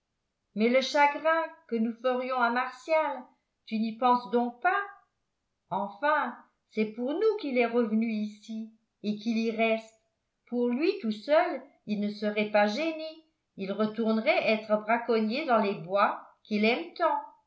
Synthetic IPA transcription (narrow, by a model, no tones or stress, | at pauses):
mɛləʃaɡʁɛ̃kənufəʁjɔ̃amaʁsjal | t̪ynipɑ̃sd̪ɔ̃k̚pa | ɑ̃fɛ̃ | sɛpuʁnukilɛʁəvnyisi | ekiliʁɛst̪ | puʁlɥit̪usœl | ilnəsəʁɛpaʒene | ilʁət̪uʁnʁɛʔɛt̪χəbʁakɔnjed̪ɑ̃lebwakilɛmt̪ɑ̃